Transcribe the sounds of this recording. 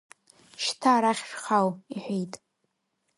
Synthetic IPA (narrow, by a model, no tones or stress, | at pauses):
ʃtʰaːɾaχʲʃχawiħʷᶣejtʼ